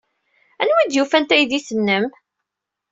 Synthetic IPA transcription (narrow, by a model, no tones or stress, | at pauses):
ænwæd̪jufænt̪æjðisənːəm